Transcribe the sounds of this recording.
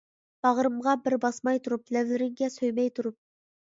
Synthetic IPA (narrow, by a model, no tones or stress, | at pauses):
b̥ɑʁɾɨmʁɑbɪɾbɑsmɑjt̪ʰuɾuplɛvlɪɾɪŋɡʲɛsøjmɛjt̪ʰuɾup̚